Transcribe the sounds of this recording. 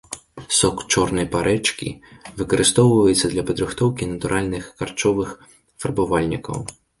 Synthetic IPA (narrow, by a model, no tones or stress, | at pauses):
sɔkt͡ʂɔrnɐjpaɾʔɛt͡ʂkʲḭvɨkɐɾʔɨst̪ɔwvɐjɛt̪sːɐd̪lʲɐpɐd̪ɾɨxt̪ɔwkʲinɐt̪uɾʔalʲnɨxːart͡ʂɔvɨx | fɐrbavalʲnʲikɐ̰w